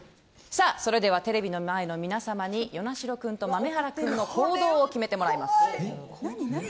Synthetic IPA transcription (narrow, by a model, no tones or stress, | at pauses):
saso̞ɾe̞d̪e̞β̞at̪e̞ɾe̞bʲino̞maeno̞mʲinasamaɲ̟ijo̞naɕiɾo̞kɯ̟̃nt̪o̞mame̞ɦaɾakɯ̟̃nːo̞kʰo̞ːd̪o̞ːokʲime̞t̪e̞mo̞ɾaimasɨ̥